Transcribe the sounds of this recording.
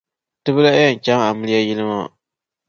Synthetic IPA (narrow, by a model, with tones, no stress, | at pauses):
tɨ˦bɨ˦la˦ja˦˨n̩˨t͡ʃa˦ŋa˨mɨ˦lɨ˦ja˦ji˦lɨ˦ma˦